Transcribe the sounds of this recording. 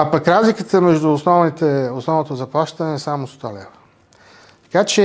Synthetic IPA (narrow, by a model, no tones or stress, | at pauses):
apəkɾazlikət̪əmɛʒd̪ʊːsnɔvnit̪ɛʊsnɔvnot̪ozɐplˠaʃt̪ənɛːsamʊst̪ɔlɛ̰və | t̪ɐ̥kat͡ʃɛ